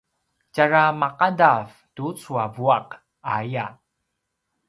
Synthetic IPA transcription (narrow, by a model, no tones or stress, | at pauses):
caɾamaqadav | tut͡suavuaq | aja